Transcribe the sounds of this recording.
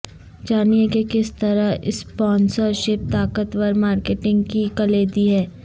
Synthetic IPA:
d͡ʒaːniekekɪst̪ɐɾaɪ̰spɔ̃ːnsəɾʃɪp̚t̪aːkət̪ʋɐɾmaːɾkeːʈɪ̃ŋɡkikɐleːd̪iɦɛː

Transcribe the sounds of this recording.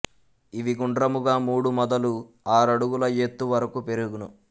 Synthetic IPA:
iʋiɡuɳɖɾɐmuɡaːmuːɽumɔd̪ɐlu | aːɾɐɽuɡulɐjet̪ːuʋɐɾɐkupe̞ɾuɡunu

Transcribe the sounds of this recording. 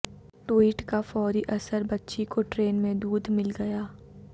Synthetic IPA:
ʈwiːʈkafɔːɾiʔɐsəɾbɐtːʃikoʈɾeːnmẽd̪uːd̪mɪlɡɐjaː

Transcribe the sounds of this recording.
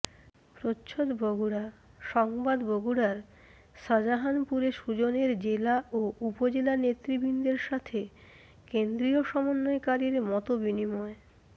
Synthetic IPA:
pɾotːɕʰod̪boɡuɽa | ʃɔŋbad̪bʱoɡuɽaɾ | ʃad͡ʑaɦanpuɾeʃud͡ʑoneɾd͡ʑelaoʔupod͡ʑelanet̪ːɾibʱind̪eɾʃat̪ʰe | kend̪ɾioʃɔmonːoekaɾiɾmɔt̪obinimɔe

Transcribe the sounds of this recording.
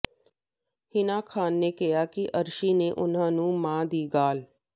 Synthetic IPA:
hɪnaːkʰaːnːeːkɪjaːkɪʔəɾʃiːneːʔʊn̤ãːnũːmãːd̪iːɡaːl

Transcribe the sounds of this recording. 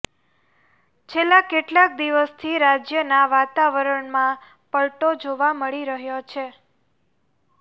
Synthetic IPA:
t͡ʃʰelːakeʈlak̚d̪iʋəst̪ʰiɾad͡ʒjənaʋat̪aʋəɾəɳmã | pəɭʈod͡ʒoʋaməɭiɾəɦjot͡ʃʰe

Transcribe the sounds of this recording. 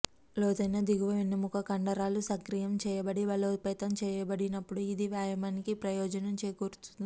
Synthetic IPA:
lɔːd̪ɐjnɐd̪iɡuʋɐʋenːumukʰɐkɐɳɖɐɾaːlusɐŋkɾijɐmt͡ʃɛːjɐbɐɽiʋɐloːpɛːt̪ɐmt͡ʃɛːjɐbɐɽinɐpːuɽuid̪iʋjaːjɐmaːnikipɾɐjɔːd͡ʒɐnɐmt͡ʃeːjkuːɾut̪und̪i

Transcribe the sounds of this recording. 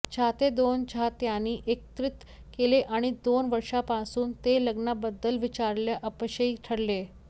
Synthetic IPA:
t͡ɕʰat̪ed̪ont͡ɕʰat̪janːiːʔek̚t̪ɾit̪ | keleʔaɽ̃id̪onʋəɾʂapasuːnt̪eləɡnabəd̪ːəlʋit͡ɕaɾljaʔəpɕəiʈʰəɽle

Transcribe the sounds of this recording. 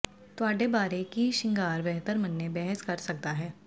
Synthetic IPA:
t̪oaːɖebaːɾekiʃɪ̃ŋɡaːɾbɛɦt̪əɾmɐnːebɛɦɛskɐɾsɐk̚t̪aɦɛː

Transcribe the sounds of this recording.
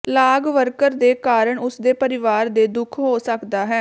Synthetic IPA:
laːɡʋəɾkəɾd̪eːkaːɾəɳʊsd̪eːpəɾɪʋaːɾd̪eːd̪ʊkʰɦoːsəkd̪aːɦɛː

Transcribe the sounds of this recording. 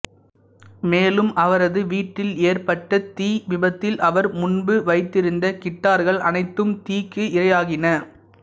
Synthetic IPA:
meːlɯmʔɐʋɐɾɐðɯʋiːʈːɪleːɾpɐʈːɐt̪iːʋɪbɐt̪ːɪlʔɐʋɐɾmʊnbɯʋɐɪt̪ːɪɾɯnd̪ɐkɪʈːaːɾɣɐɭɐnɐɪt̪ːɯmt̪iːkːɯʔɪrɐjaːɣɪnɐ

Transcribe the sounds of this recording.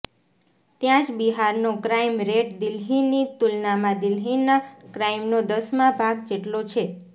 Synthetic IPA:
t̪jãd͡ʒbiɦaɾnokɾajmɾeʈd̪ɪlɦinit̪ulnamãd̪ɪlɦinːakɾajmnod̪əsmãbʱaɡd͡ʒeʈlot͡ʃʰe

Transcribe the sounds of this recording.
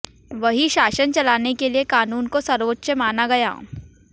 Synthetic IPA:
ʋɐɦiʃaːʃənt͡ʃɐlaːnekeliekaːnuːnkosɐɾʋətːʃəmaːnaɡɐja̰ː

